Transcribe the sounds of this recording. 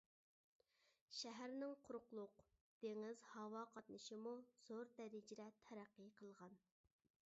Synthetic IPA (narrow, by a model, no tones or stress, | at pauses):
ʃæɦæɾnɪŋqʰʊɾqlˠʊqd̪̥eŋɪzhɑwɑqʰɑt̪nɨʃimuz̥oɾd̪ɛɾɪd͡ʒɪɾɛt̪ʰæɾæqːɨqʰəlˠʁɑn